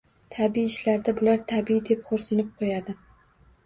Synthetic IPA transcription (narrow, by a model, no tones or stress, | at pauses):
t̪ʰabiːʃlaɾd̪abʊlaɾt̪ʰabid̪epχoɾsɪnɪp̚qʰojad̪ɪ